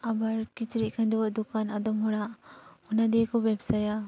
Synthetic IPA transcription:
abaɾkit͡ʃɾiʔ̚kʰandɔwaʔd̪ukanad̪ɔmɦɔɽaʔɔnad̪ikɔbɛbsaja

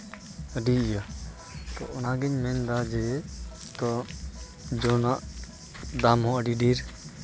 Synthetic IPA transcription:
ɖija | t̪ɔʔʊnaɡɛɲmɛnd̪ad͡ʒɛ | t̪ɔ | d͡ʒɔnaʔ | d̪amɦɔ̃əɖiɖiɾ

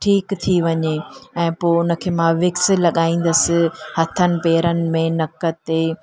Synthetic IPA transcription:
ʈʰiːkt̪ʰiʋɐɲeɛ̃ːpoːʊnə̆kʰeːmãʋɪksɪ̆lɐɠaːĩːn̆d̪əsɪ̆hɐt̪ʰənɪ̆peːɾənɪ̆mẽnɐkət̪ːe

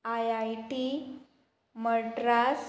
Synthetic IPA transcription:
ajajʈi | məʈɾas

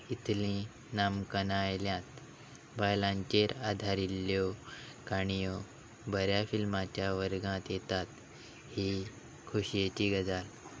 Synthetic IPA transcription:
it̪lĩ | namkənajljãt̪ | bajlãɲt͡ɕeɾad̪ʱaɾilːjɔ | kañijo | bəɾjafilmat͡ɕjaʋəɾɡãt̪jet̪at̪ | hi | kʰuɕijet͡ɕiːɡəd͡zal

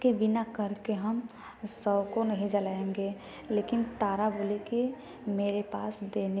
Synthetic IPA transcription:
kebɪnakəɾkeɦəm | səbkonəɦĩd͡ʒəlaːẽŋɡe | leːkɪnt̪aːɾaboleki | meːɾepaːsd̪eːne

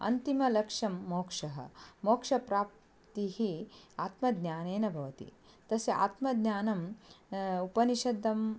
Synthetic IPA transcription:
ɐ̰nt̪imɐlɐkʂɐmːoːkʂɐɦɐ̰moːkʂɐpɾaːp̚ | t̪ihiaːt̪mɐd̪njaːneːnɐbʱɐʋɐt̪ḭ | t̪ɐsia̰ːt̪mɐd̪ɲaːnɐm | upɐniʃɐd̪ʱːɐm

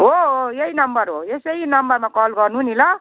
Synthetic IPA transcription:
ɦoɦojeinʌmbʌɾɦo̰esʌjinʌmbʌrmakɔlɡʌrnuɦunilʌ

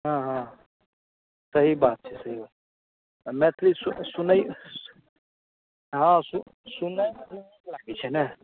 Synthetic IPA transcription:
ɦãɦã | sɐɦibaːt̪̚t͡ʃʰɛsɐɦio | mɛ̃t̪ʰlisʊsʊnai | ɦãsʊ | sʊnan | laːɡit͡ʃʰɛnɛ

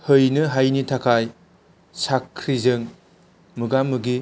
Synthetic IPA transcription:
hɯjnɯɦajnitʰakʰaj | sakʰːɾizɯŋ | mɯɡamɯɡi

